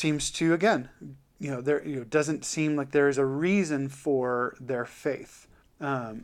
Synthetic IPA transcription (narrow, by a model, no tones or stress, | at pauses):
sĩmz̥tʰɨɨɡɛ̃n | jɨnoʊðə˞jɨnoʊdʌzɨ̃ntsĩmlaɪk̚ðə˞ɨzɨɹizɨ̃nfə˞ðə˞feɪθ | ʌ̃m